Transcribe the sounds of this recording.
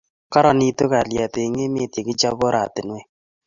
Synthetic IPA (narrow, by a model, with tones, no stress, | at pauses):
ka˦ɾa˨ni˦to˦ka˨ljɛ˨te˨i˨ŋe˦me˦tje˨kɪ˦d͡ʒa˦bɔ˦ɾa˨tɪ˨nwɛ˦